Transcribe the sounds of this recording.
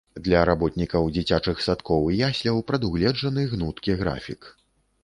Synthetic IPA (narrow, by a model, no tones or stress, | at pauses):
d̪lʲɐɾabɔt̪nʲikɐwd͡zʲit͡sʲat͡ʂɨxsat̪kɔwjasʲlʲɐwpɾɐd̪uɣlʲɛd͡ʐɐnɨɣnut̪kʲiɣɾa̰fʲik